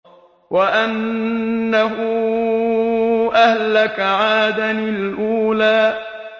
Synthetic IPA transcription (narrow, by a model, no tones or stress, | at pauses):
wʔaʔanː | aɦʊ | ʔahlakaʕaːd̪anlʔuːlaː